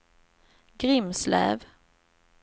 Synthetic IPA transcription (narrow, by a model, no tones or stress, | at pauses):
ɡɾɪmslæ̰ːv